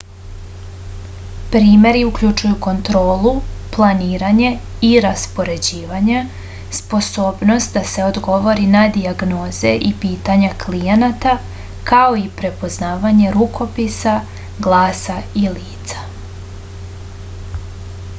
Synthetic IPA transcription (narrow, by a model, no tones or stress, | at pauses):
pɾiːme̞ɾiukʎut͡ʃujuko̞nt̪ɾo̞ːlˠuplˠaniːɾaɲe̞ | iɾaspo̞ɾe̞d͡ʑiːʋaɲe | spo̞so̞ːbno̞st̪d̪ase̞o̞d̪ɡo̞ʋo̞ɾinad̪iaɡno̞ːze̞ʔipiːt̪aɲaklijenat̪a | kao̞ipɾe̞po̞znaːʋaɲe̞ɾukʰo̞pisa | ɡlˠaːsailiːt̪sḁ